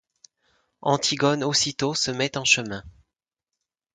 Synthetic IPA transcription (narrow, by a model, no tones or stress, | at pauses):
ɑ̰̃t̪ʰiɡɔnosit̪osəmɛt̪ɑ̃ʃəmɛ̃